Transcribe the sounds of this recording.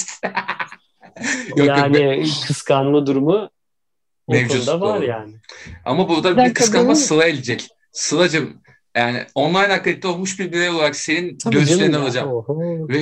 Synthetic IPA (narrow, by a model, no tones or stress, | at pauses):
jokajonɪkʰɯskʰanlˠɯd̪uɾumu | mevd͡ʒut̪d̪avaɾjaːnɪa̰mabuɾd̪abikʰɯskanmˠasɯlˠaelʲed͡ʒɛc | sɯlˠad͡ʒɯm | jaːnɪ̰o̞nlˠajnakk̪ait̚t̪ːɛo̞lˠmuʃbiɾbiɾejo̞lˠaɾakse̞ninɟøzyleɾinalˠad͡ʒamvɛ